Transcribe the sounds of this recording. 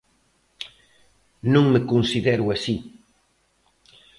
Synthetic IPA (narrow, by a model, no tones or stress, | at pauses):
nõŋmekõnsiðɛɾuasi